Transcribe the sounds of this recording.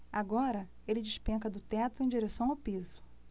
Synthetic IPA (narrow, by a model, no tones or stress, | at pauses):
aɡɔɾɐ | elɪd͡ʒɪʃpẽŋkɐd̪ʊt̪ɛt̪ʊẽj̃d͡ʒiɾesɐ̃w̃awpizʊ̥